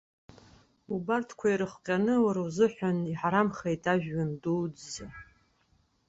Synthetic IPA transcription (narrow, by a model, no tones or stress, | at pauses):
ubartʰkʷʰaijɾɨχqʲʼanɨwaɾuzɨħʷaniħaɾamχejtʰʼaʒᶣːandud͡zza